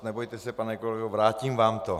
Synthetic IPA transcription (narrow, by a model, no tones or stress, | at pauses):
nɛbojt̪ɛsɛpanɛkolɛɡovɾaːcimvaːmt̪o